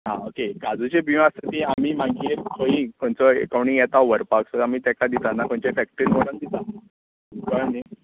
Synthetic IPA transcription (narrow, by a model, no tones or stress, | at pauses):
ɦãokeɡad͡zut͡ɕebiʋãst̪ət̪iamiːmãɡiːɾkʰoĩkoɳt͡sɔḛkawɳĩŋjɛt̪aʋəɾpaksəamiːt̪akad̪it̪anakõɳt͡ɕefɛk̚ʈɾiɦoɽakd̪it̪a | kɔani